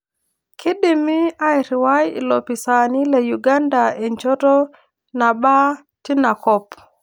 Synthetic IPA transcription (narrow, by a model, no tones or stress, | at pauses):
kidimiajɾiwajḭlopisanilejuɡandaeɲt͡ʃɔtɔ | naba | tinakɔp